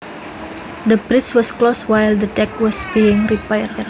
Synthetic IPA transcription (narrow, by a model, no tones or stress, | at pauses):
d̪əbɾɪswɔskloswajld̪ətɛk̚wɔsbiɪŋripajərɛr